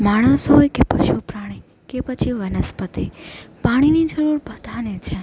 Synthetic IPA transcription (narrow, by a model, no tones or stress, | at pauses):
maːɽ̃əsɦojkepəʃupɾaɽ̃i | kepət͡ʃʰiʋənəspət̪ipaɽ̃inid͡ʒəɾuɾbʱəd̪ʱanet͡ʃʰe